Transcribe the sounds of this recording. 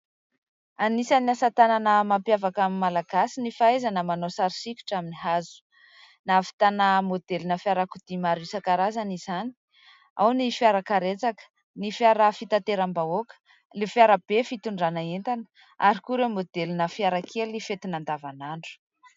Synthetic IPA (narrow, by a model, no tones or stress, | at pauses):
anisaniasat̪ananəmampjavakaminmalaɡasinifaezanəmanosaɾisikʲu̥ʈ͡ʂaminiɦazu̥ | nafi̥t̪anamod̪elinəfiaɾakud̪̥imaɾisakaɾazanizani̥ | a̰wnifiaɾakaɾet͡sakə̥ | nifiaɾafit̪at̪eɾambaokə̥ | lefiaɾab̥efit̪uɳɖ͡ʐanaent̪anə̥ | aɾikuɾewmod̪elinəfiaɾakʰelifet̪inand̪avanaɳɖ͡ʐu̥